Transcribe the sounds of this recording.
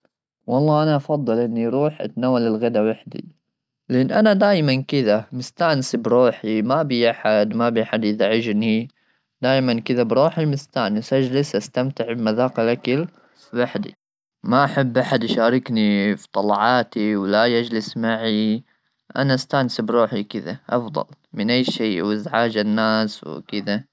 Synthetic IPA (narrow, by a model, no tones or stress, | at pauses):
wɑlˤːɑːʔanaʔɑfɑðˤːɨlʔɪnːiɾuːħʔa̰t̪naːwːalɪlɣad̪awaħd̪ḭ | lɪʔɪnːʔanad̪aːjmankɪðamɪst̪aːʕnsbɾuːħimabijʔaħad̪mabiaħad̪ʔɪðaʕɪd͡ʒni | d̪̥aːjmankɪðabɾuːħimɪst̪aʕnɪsʔad͡ʒlɪsʔast̪amt̪ɪʕbmaðaːqalakɪl | waħd̪ḭ | maʔaħabːʔaħad̪ʔʃaːɾˤɪknifi̥t̪ˤɑlɑʕɑːt̪iwlajad͡ʒlɪsmaʕi | ʔa̰naʔast̪aːʕnsbɾuːħikɪða̰ʔɑfd̪ˤɑ̰lmɪnʔajːʃiːwɪzʕaːd͡ʒanːaːsw̰kɪd̪a